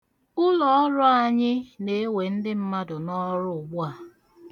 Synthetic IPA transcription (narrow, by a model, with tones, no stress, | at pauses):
ʊ˦lɔ˦ɔ˦ɾʊ˦a˨ɲɪ˦ne˨˦we˨n̩˦dɪ˦m̩˦ma˦dʊ˨nɔ˦ɾʊ˦ʊ˨ɡ͡bʊ˦a˨